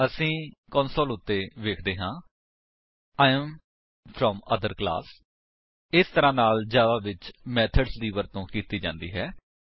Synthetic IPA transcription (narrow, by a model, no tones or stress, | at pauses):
əsĩːkɔːnsoːlʊt̪ːeːʋeːkʰd̪eːɦãː | aːɪəm | fʰɾɔmə̰d̪əɾkla̰ːs | ɪst̪əɾãːnaːld͡ʒjaːd̪aːʋɪt͡ʃmɛːt̪ʰəɖsd̪iːʋəɾt̪õːkiːt̪iːd͡ʒã̰ːnd̪iːɦɛː